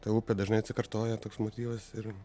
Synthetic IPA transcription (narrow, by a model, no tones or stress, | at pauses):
t̪ɐːʊpʲɛd̪ɐʒnɐɪɐt̪sʲɪkɐɾt̪oːjɛt̪oːksmoːt̪ʲiːʋɐsɪɾ